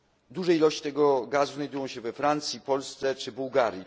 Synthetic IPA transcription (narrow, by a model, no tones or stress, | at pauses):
d̪uʐɛilɔɕt͡ɕi̥t̪ɛɡɔɡazuznajd̪ujɔ̃w̃ɕɛvɛfɾant̪sʲjipɔlst̪sɛt͡ʂɘbuwɡaɾji